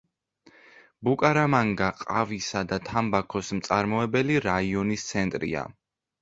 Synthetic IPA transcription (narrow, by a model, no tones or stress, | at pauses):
bukʼaɾamaŋɡaqʼavisad̪at̪ʰambakʰɔsmt̪sʼaɾmɔɛbɛliɾaiɔnist̪sʰɛnt̪ʼɾḭa̰